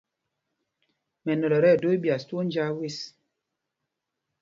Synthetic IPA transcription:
mɛ˨nɔ˨lɔ˨ɾɛ˦˨do˦i˦bja˨stwo˦n˦d͡ʒa˦we˦s

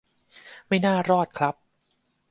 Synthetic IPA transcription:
ma˥˩jnaː˥˩ɾɔː˥˩t̪̚kʰla˦˥p̚

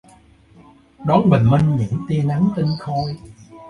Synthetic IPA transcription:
ɗɔ˨˦nɓə̰˧˨˩ŋ̟mi˧ŋ̟ɲɨ̰˧˥ŋt̪i˧əna˨˦ŋt̪ï˧ŋxɔ˧j

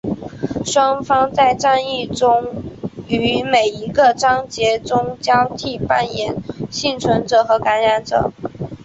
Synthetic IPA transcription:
ʂwɑ˥ŋfɑ˥ŋt͡sa˥˩ɪʈ͡ʂa˥˧ni˥˩ʈ͡ʂʊ˥ŋ | y˧˥me˨˩ɪi˧˥ɡə˧ʈ͡ʂɑ˥ŋt͡ɕjɛ˧˥ʈ͡ʂʊ˥ŋt͡ɕjɑ˥ʊt̪ʰi˥˩pa˥njɛ˨˩˦nɕi˥˩nt͡sʰwə˧˥nʈ͡ʂɤ˨˩˦xɤ˧˥ka˧˥nɻa˧˥nʈ͡ʂɤ̰˨˩˦

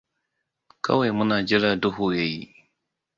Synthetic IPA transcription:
kʰɐ̰˦wa˨jmʊ˦naː˨d͡ʒɪ˦ɾaː˦˨dʊ˦ɦu˨ja˦˨jḭ˦

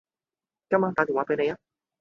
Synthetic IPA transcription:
ka˥˦mã˧˦t̪a˧t̪i˨˩wa˧pe˧ne˧ja˦

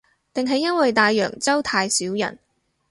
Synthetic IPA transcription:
t̪ɪ˨ŋɦɐ˨jːɐ˥nwɐ˨jt̪aː˨˧jːœ̰ː˨˩ŋt͡sɐ˥wt̪ʰaː˧jsiː˨˥wjɐ̰˨˩n

